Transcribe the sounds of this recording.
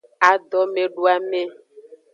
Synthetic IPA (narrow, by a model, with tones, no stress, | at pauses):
a˨d̪ɔ˦me˨ɖu˦a˨me˦